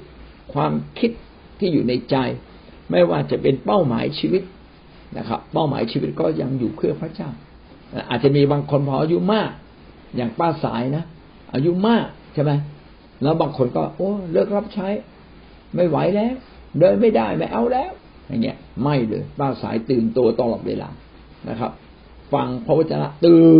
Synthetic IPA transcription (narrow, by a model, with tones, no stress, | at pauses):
kʰwaː˧mkʰi˦˥t̪̚ʰː | iː˥˩juː˨˩na˧jt͡ɕa˧j | ma˥˩jwaː˥˩t͡ɕa˨˩pe˧npa˥˩wma̰ː˩˦jt͡ɕʰiː˧wi˦˥t̪̚ | na̰˦˥kʰa̰˦˥pːa˥˩wma̰ː˨˦jt͡ɕʰiː˧wi˦˥t̪̚kɔː˥˩ja˧ŋjuː˨˩pʰɯ˥˩ɐpʰɾa˦˥t͡ɕaː˥˩w | na˧˥˩ʔaː˨˩t̪̚t͡ɕa˨ʔmiː˧baː˧ŋkʰo˧npʰɔː˧ʔa˧ju˦˥maː˥˩k̚ | jaː˨˩ŋpaː˥˩sa̰ː˩˦jna˦˥ | ʔa̰ː˧ju˦˥maː˥˩k̚t͡ɕʰa˥˩ma˦˥j | lɛː˦˥wbaː˧ŋkʰo˧nkɔː˥˩ʔoː˧˩lɯ˥˩ək̚ɾa˦˥p̚t͡ɕʰa˦˥j | ma˥˩jwa˨˦jlɛː˦˥˩w | dɤː˧˥˩jma˥˩jdaː˥˩jma˥˩jʔa˧˩wlɛː˦˥˩w | ja̰˨˩ŋːi˦˥əma˥˩jlɤ̰ː˧jpaː˥˩sa̰ː˩˦jt̪ɯː˨˩nt̪u˧ɐt̪a˧lɔː˨˩t̪̚wḛː˧lʔa̰ː˧ | na̰˦˥kʰa̰˦˥p̚ | fa˧ŋpʰɾɔ˦˥waː˥˩t͡ɕa˧la̰˦˧˥ʔt̪ɯː˧